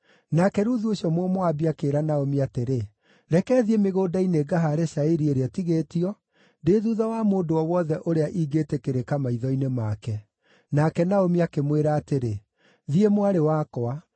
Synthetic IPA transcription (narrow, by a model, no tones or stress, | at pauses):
nakɛɾuðuoɕɔmwɔmoabiakeɾanaomiateɾe | ɾɛkɛːðiemeɣoːdaineɡaɦaɾeɕaiɾieɾeɛtiɣeːtiɔ | deðuðawamoːdoɔwɔðɛʔoɾeaʔiːɡeːtekeɾekamaiðɔinemakɛ | nakɛnaomiakemweɾaːteɾe | ðiemwaɾewaːkɔa